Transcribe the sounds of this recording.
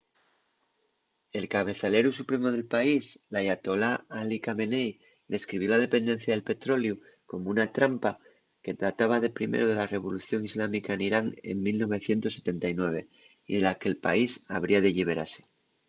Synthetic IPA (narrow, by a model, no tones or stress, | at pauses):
e̞lkaβ̞e̞θale̞ɾusupɾe̞mo̞ð̞e̞lpaislajat̪o̞laalikame̞nej | d̪e̞skɾiβ̞jo̞lað̞e̞pe̞nd̪e̞n̟θjaðe̞lpe̞t̪ɾo̞lju | ko̞mounat̪ɾampa | ke̞t̪ɾat̪aβ̞aðe̞pɾimḛɾoð̞e̞lare̞β̞o̞luθjo̞ŋizlamikaeniɾaŋe̞̰ŋmilno̞βe̞θje̞nt̪o̞sːe̞t̪ent̪ajnwe̞β̞e̞ | iðe̞lake̞lpa̰isaβ̞ɾiaðeʎiβ̞e̞ɾa̰se̞̥